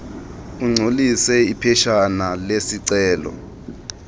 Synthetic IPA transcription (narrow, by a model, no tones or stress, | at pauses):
uŋ͡ǀʱolisɛipʰɛʃanalesiǀɛːlɔ̰